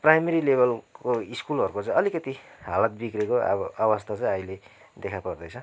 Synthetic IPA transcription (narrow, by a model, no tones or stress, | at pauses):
prajmeɾilebʌlkoiskulʌɾukot͡sʌĩʌlikʌt̪iɦalat̪̚bikreko̰awʌst̪ʰat͡sʌj̃ʌjle | d̪ekʰapʌrd̪ʌjt͡sʰʌ